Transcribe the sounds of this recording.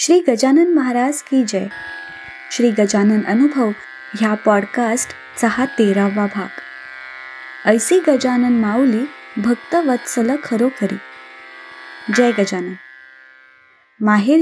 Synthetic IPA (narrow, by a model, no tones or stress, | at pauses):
ɕɾiːɡəd͡ʑanənməɦaɾaskid͡ʑɛj | ɕɾiːɡəd͡ʑanənənubʱəʋ | ɦjapɔɽkasʈ | səɦat̪eɾaʋabʱaɡ | əjsiːɡəd͡ʑanənmawliːbʱəɡt̪əʋət̪sələkʰəɾokəɾḭ | d͡ʑɛjɡəd͡ʑanən | maɦe